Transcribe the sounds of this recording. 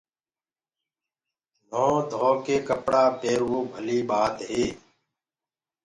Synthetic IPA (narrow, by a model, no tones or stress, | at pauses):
nɔ̃ːd̪ʱɔ̃ːkeːkəpɽaːpeːɾwoːbʱəliːɓaːt̪ɦeː